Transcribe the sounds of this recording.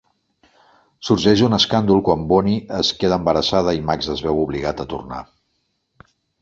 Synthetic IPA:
suɾʒɛʒd̪unəskand̪ulˠkwambɔniəskeðəːmbəɾəsað̞əimakzəzβɛwuβliɣat̪ət̪urna̰

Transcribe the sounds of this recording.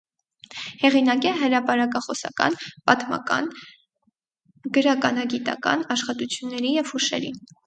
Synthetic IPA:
hɛʁinɑkɛɦəɾɑpɑɾɑkɑχɔsɑ̰kɑ̰npɑt̪mɑ̰kɑ̰n | ɡəɾɑkɑnɑɡit̪ɑ̰kɑ̰nɑʃχɑt̪ut͡sʰjunːɛɾijɛv̥huʃɛ̰ɾḭ

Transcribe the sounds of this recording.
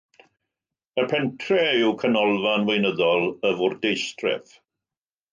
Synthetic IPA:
əpʰɛntʰrɛɪwkʰənɔlˠvanwejnəðɔlˠəvʊrdejstrɛ̰θ

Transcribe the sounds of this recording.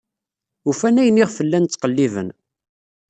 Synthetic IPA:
ufænæjniʁfəlːænt̪t͡sːqəlːivə̰n

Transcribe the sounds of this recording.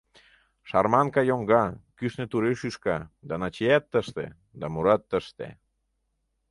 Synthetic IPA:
ʃɑrmɑnkɑjoŋɡɑkyʃnet̪uɾeʃyʃkɑd̪ɑnɑt͡ɕejæt̪ːəʃt̪ḛ | d̪ɑmuɾɑt̪ːəʃt̪ḛ

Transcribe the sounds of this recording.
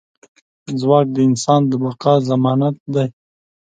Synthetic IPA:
zwɑːk̚d̪əɪnsɑːnd̪əbaqɑːzamɑnat̪̚d̪aj

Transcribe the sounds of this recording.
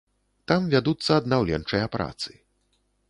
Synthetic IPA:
t̪amvʲad̪ut̪sːɐːd̪nawlʲɛnt͡ʂɨjɐpɾʔa̰t̪sɨ̥

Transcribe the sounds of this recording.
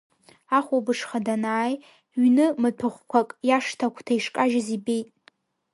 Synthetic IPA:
aχʷobɨʂχadanaːj | ɥnɨmɨtʷʰɨχʷkʷʰakʼjaʂtʰakʷʰtʰaiʂkʼaʒazibejtʼ

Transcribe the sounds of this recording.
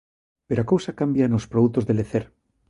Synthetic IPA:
peɾoakowsakambjanospɾoðut̪o̞zðe̞leθeɾ

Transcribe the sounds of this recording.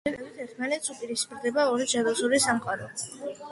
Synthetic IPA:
ɛbʼɛbit̪ʰɛɾt̪ʰmalɛt̪supʼiɾispʼiɾd̪ɛbaɔɾid͡ʒad̪ɔsuɾisamqʼaɾɔ

